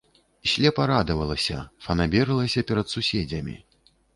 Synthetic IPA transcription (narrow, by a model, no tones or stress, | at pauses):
isʲlʲɛpɐɾad̪ɐvɐlˠɐsʲɐ̰fɐnabʲɛɾɨlˠɐsʲɐpʲɛɾɐt̪susʲɛd͡zʲɐmʲḭ